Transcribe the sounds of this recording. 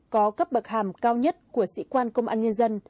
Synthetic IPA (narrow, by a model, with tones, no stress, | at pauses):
kɔ˨˦kə˦˥p̚ɓə˨˩k̚haː˧˩mkaː˧wɲə˦˥t̚ku˧˩əsḭ˧˥kwaː˧nkə˧wŋ͡mʔaː˧nɲə˧nzə˧n